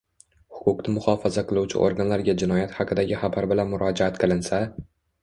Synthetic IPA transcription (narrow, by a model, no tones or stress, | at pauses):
hʊ̥kʊqnɪmʊχɒfazaqʰɨlˠuwt͡ʃʰɪ̰ʔo̰ɾɡanlaɾɡʲad͡ʒɪnɒjat̪hɑqʰɨd̪aɡʲɪχabaɾbɪlanmʊɾɒd͡ʒaat̪qʰɨlˠɪnsa